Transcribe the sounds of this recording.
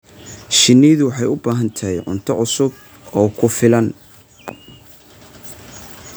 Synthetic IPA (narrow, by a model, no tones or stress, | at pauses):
ʃɪnːijðʊwɑħɑjʊbaːɦɐnt̪ʰɐjʕʊ̰nt̪ʰɔʕʊsʊb̚ | ɔːkʰʊfɪlɐn